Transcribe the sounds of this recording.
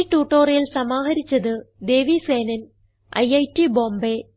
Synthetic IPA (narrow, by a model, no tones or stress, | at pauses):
iʈːuːʈːoːrɐjilsɐmaːɦɐɾit͡ɕːɐðɨd̪e̞ːʋiseːnɐn | ɐ̰jɐjtiboːmbe